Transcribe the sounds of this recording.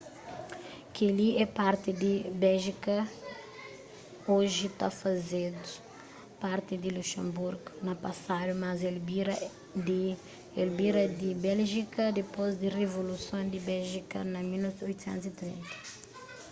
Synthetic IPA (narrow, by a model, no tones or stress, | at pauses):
kialiɛpaɾt̪ɪd̪ibɛlʒikɐ | oʒit̪a̰fɐzed̪ʊ̥ | paɾt̪ɪd̪iluʃẽmbuɾɡʊnɐpɐsad̪umɐzelbiɾɐ | d̪i | elbiɾɐd̪ibɛlʒikɐd̪epozd̪irevolusõnd̪ɪbɛlʒikɐ̰nɐmilɔojt̪usɛ̰̃nt̪usit̪ɾḭ̃nt̪ɐ̥